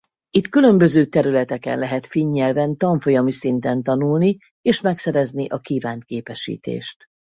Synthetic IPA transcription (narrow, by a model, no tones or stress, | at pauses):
it̪kylø̞mbø̞zøːt̪ɛɾylɛt̪ɛkɛ̰nlɛɦɛt̪fiɲːɛlvɛnt̪ɒɱfo̞jɒmisint̪ɛnt̪ɒnulni | eːʃmɛksɛɾɛzniʔɒkiːvaːnt̪keːpɛʃḭːt̪ḛːʃt̪